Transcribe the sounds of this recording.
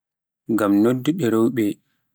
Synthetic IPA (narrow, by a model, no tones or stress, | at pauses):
ŋɡamnodːuɗɛɾɔwɓɛ